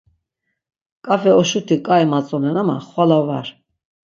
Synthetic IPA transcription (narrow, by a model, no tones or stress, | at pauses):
kʼafɛɔʃut̪ʰikʼaimat͡sʼɔnɛnama̰χwalavaɾ